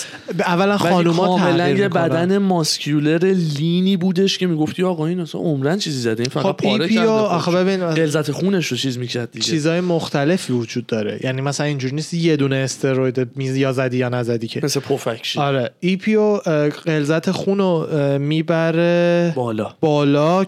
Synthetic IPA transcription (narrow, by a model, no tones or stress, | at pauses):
ævːælænχɒːnumɒːæmelæjebæd̪æne̞mɒscʰule̞ɾe̞liniːbuːd̪e̞ʃcʰe̞miɡoft̪iɒːɣɒinæsæ̰nomɾænt͡ʃʰizizæd̪einfæɣxoæbʰiɾpioɒxebe̞biniselzæt̪ʰexune̞ʃot͡ʃʰizmicʰæɾd̪̚d̪it͡ʃʰiːzɒːjemoxt̪ʰæle̞fivud͡ʒuːd̪̚ːɒːɾe̞̰jʔænimæsælænind͡ʒuɾiniːst̪ije̞d̪uːneːst̪ʰeɾojd̪emijɒːzæd̪ijɒnæzæd̪iːcʰemesepʰofækʃiɒɾeipʰioɢe̞lzæt̪ʰexunomiːbæɾeblɒb̥ɒːlɒː